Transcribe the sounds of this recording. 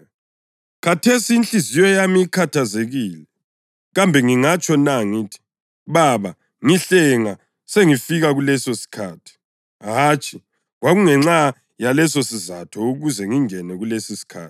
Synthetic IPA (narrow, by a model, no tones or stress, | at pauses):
kʰatʰesiːnt͡ɬizijɔjamiikʰatʰazeɣiːlɛ | ɣambʱɛŋiŋat͡ʃʼɔnaŋitʰi̥ | βaβa | ŋiɬɛŋa | seŋifiɣaɣulɛsosi̥kʰaːtʰi̥ | ɦaːt͡ʃʰʼi | ɣwaɣuŋɛŋ͡ǁa | jalɛsosizatʰɔuɣuzɛŋiŋɛnɛɣulesisi̥kʰa̰ːti̥